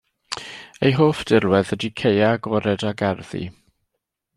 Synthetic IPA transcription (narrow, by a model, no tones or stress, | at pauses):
ejɦoːfd̥ɪlwɛðədikʰejaɡɔɾɛdaɡɛrðḭ